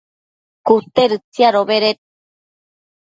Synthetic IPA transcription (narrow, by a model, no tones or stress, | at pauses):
kut̪eɾɯt͡sijaɾoβeɾet̪̚